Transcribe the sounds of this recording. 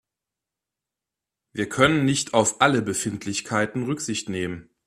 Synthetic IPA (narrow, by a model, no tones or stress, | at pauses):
viːɐkʰœnənːɪçtʰaʊfʔaləbəfɪntʰlɪçkʰaɪtn̩ʁʏkz̥ɪçtneːmən